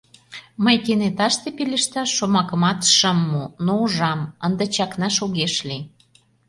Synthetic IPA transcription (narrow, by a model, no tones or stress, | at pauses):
məjk̪enet̪ɑʃt̪epelə̆ʃt̪ɑːomɑkə̆mɑt̪ʃəmːunouʒɑmənd̪ə̆t͡ɕɑknɑʃoɣeʃli